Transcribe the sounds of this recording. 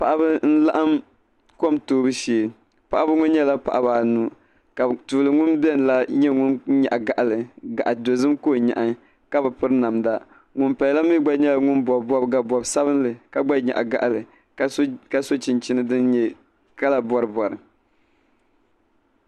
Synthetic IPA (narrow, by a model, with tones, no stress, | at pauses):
pa˨ʔa˦bɨ˦n̩˦la˦ʔa˦m | ko˦mtoː˦bɨ˦ʃeː˨ | pa˨ʔa˦bɨ˦ŋʊ˦n˦ɲɛ˦la˦pa˨ʔa˨ba˨nu˨ | ka˨tuː˨lɨ˨ŋʊ˦nbɛ˦˨n˨la˦ɲɛ˦ŋʊ˦nɲa̰˨ʔa˨ɡa˨ʔa˨lɨ˨ɡa˨ʔa˨do˨zɨ˦mkoː˦˨ɲa̰˨ʔa˨ | ka˦bɨ˨pɨ˦ɾɨ˦na˨mda˦ | ŋʊ˦npa˨jla˦mi˦ɡ͡ba˦ɲɛ˦la˨ŋʊ˦nbɔ˨bbɔ˦bɡa˨bɔ˨bsa˦bɨ˦nlɨ˨ka˨ɡ͡ba˦ɲa̰˨ʔa̰˨ɡa̰˨ʔa˨lɨ˨˦ | ka˦so˦t͡ʃɪ˨nt͡ʃi˦nɨ˦dɨ˦nɲɛ˦ | ka˦la˨bɔ˨ɾɨ˨bɔ˨ɾɨ˨